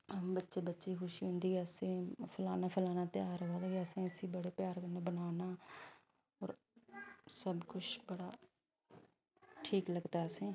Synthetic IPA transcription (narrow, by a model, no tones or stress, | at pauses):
bətːʃeːbətːʃiːkʊʃiːɦʊ̃nd̪iːəsẽːpʰəlaːnaːpʰəlaːnaːt̪ɪjaːɾaːd̪aːkeəsẽːəsiːbəɽeːpjaːɾkəneːbənaːnaː | ɔːɾ | səbkʊt͡ʃʰbəɽaː | ʈʰiːkləɡt̪aːɛəsẽː